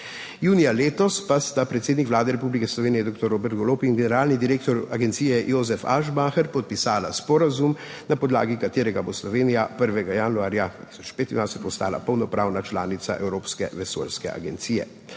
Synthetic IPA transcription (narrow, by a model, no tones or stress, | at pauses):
juːnijaleːt̪ɔspast̪apɾɛt̪seːd̪nikʋlaːd̪ɛɾɛpublikɛslɔʋeːnijɛd̪ok̚t̪ɔɾoːbɛɾt̪ɡɔloːpinɡɛnɛɾaːlnid̪iɾeːk̚t̪ɔɾaɡɛnt̪sijɛjoːzɛfa̰ʒbaxɛɾpɔt̪̚pisaːlaspɔɾazum | napɔd̪la̰ːɡikat̪eːɾɛɡaboslɔʋeːnijapəɾʋɛɡajanuaːɾjad̪at̪i̥sɔt͡ʃpeːt̪ind̪ʋajsɛt̪ɔst̪a̰ːla̰pəwnɔpɾaːwnat͡ʃlaːnit̪sa̰ʔɛ̰wɾoːpskɛ̰ʋɛso̰ːlskɛ̰a̰ɡɛnt̪siːjɛ̰